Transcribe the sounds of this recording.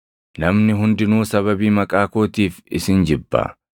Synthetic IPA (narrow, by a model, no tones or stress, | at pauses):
nɐmnɪɦʊnd̪ɪnuːsɐβɐbiːmɐkʼaːkoːt̪iːfɪsɪnd͡ʒɪbːɐ̰